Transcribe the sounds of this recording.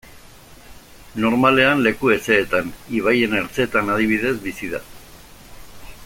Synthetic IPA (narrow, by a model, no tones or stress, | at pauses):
no̞ɾmale̞anle̞kue̞se̞ːt̪aniβ̞aje̞ne̞ɾt͡seːt̪anað̞iβ̞iðe̞zβisiða̰